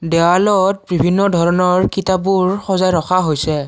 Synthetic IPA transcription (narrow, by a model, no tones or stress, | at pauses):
dɛwalɔt̚bibʱinːɔdʱɔɹɔnɔɹkitabuɹxɔzajɹɔxʰaɦojsɛ